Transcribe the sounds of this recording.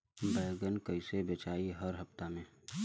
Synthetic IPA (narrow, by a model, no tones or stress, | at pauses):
bɛːɡənkəɪsebət͡ʃaːiɦəɾɦəft̪amẽː